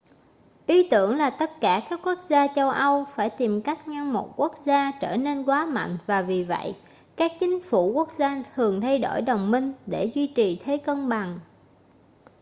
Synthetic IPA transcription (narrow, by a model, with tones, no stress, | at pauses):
ʔi˨˦t̪ɨ˧˩əŋlaː˨˩t̪ə˦˥t̚kaː˧˩kaː˦˥kːu˦˥ək̚zaː˧t͡ɕə˧wʔə˧wfaː˧˩jt̪i˨˩mka˦˥jk̟̚ɲa˧ŋmo˨˩t̚ku˦˥ək̚zaː˧t͡ɕəː˧˩ne˧nkwaː˨˦ma̰˧˨ŋ̟vaː˨˩vi˨˩və̰˧˨j | kaː˦˥k̚t͡ɕï˨˦ŋ̟fu˧˩ku˦˥ək̚zaː˧t̪ʰɨ˨˩əŋt̪ʰa˧jɗo̰˧˩jɗə˨˩wŋ͡mmï˧ŋ̟ɗe˧˩zwi˧t͡ɕi˨˩t̪ʰe˨˦kə˧nɓa˨˩ŋ